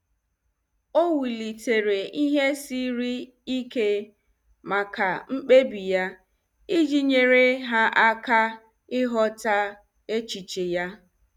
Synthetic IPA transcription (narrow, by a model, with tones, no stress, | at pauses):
o˦wi˨li˨te˨ɾe˨i˦ɦe˦si˦ɾi˦ | i˦ke˦ | ma˨ka˨ŋ͡m̩˦k͡pe˦bi˨ja˦ | i˦d͡ʒi˦ɲe˨ɾe˦ɦa˦ʔa˦ka˦ | ɪ˦ɦɔ˦ta˦ | e˦t͡ʃi˨t͡ʃe˨ja˦